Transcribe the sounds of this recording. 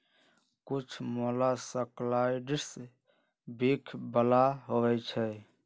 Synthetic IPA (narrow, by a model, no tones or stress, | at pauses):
kut͡ʃʰmolasəklaiɖis | bikʰbəlaɦowɛt͡ʃʰɛ